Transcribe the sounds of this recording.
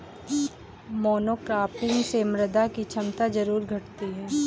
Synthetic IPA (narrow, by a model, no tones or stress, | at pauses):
mɔːnoːkɾaːpɪ̃ŋɡsemɾəd̪akit͡ʃʰɐmt̪ad͡ʒɐɾuːɾɡʱɐʈt̪iɦɛː